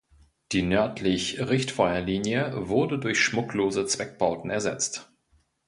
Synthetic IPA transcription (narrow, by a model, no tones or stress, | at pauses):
d̥iːnœɐtʰlɪçʁɪçtfɔʏɐliːnjəvʊɐdədʊɐçʃmʊkloːzət͡sv̥ɛk̚b̥aʊtn̩ɛɐzɛt͡st